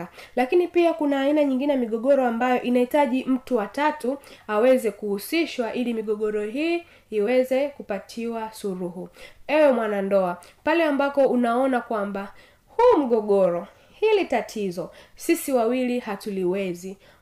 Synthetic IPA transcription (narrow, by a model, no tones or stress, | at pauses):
lakinipiakunaːinaɲiŋɡinɛjamiɠɔɠɔɾɔambajɔʔinahitaʄim̩tuwatatuawɛzɛkuhusiʃwaʔilimiɠɔɠɔɾɔɦiː | wɛzɛkupatʰiwasuɾuɦuɛwɛmwanandɔa | palɛambapɔunaɔnakwamba | hum̩ɠɔɠɔɾɔ | hilitatʰizɔsisiwawilihatuliwɛzi